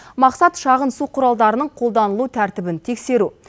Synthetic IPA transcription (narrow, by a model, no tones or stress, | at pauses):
mɑqsɑt̪ʃɑʁənsuqʰʊɾɑlˠd̪ɑɾənəɴqʰo̞lˠd̪ɑnəlˠut̪ʰæɾt̪ɪbɪnt̪ʰe̞kse̞ɾu